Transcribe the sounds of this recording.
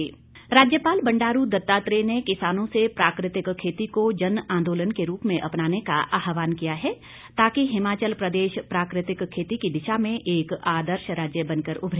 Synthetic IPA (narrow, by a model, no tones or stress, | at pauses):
ɾaːd͡ʒjəpaːlbɐ̃ɳɖaːɾud̪ɐt̪ːaːt̪ɾenekɪsaːnõsepɾaːkɾɪt̪ɪkʰːeːt̪ikod͡ʒɐnãːnd̪oːlənkeɾuːpmẽʔɐpnaːneka̰ʔaːɦʋaːnkijaɦɛ | t̪aːkiɦɪmaːt͡ʃəlpɾɐd̪eːʃpɾaːkɾɪt̪ɪkkʰːeːt̪ikid̪ɪʃamẽʔeːkaːd̪əɾʃɾaːd͡ʒjəbɐ̃nkəɾʊbʱɾ